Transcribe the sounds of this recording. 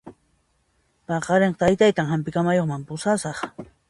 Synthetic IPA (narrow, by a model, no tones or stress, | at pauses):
pɑqɑɾeɴɢɑt̪ajt̪ajt̪aŋhampɪkamajoχmampʊsasɑχ